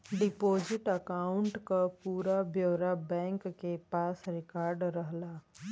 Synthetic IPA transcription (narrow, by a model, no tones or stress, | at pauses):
ɖɪpoːd͡ʒɪʈəkaːʊɳʈkapuːɾabjəːɾabɛ̃ːŋkːepaːsɾɪkaːɾɖɾəɦlaː